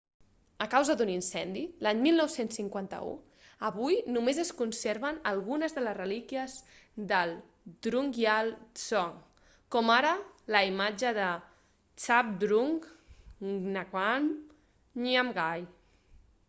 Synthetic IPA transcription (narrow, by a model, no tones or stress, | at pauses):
əkawzəd̪uninsɛnd̪ilaɲmilˠnɔwsensːiŋkwant̪ə̰ṵ | əβujnumezəskunseɾβənəlˠɣunəzðələzrəlikiəzd̪əlˠ | d̪ɾuŋɡjalsɔŋ | kɔmaɾələimad͡ʒəðə | t͡ʃap̚d̪ɾuŋ | nakwan | niamɡaj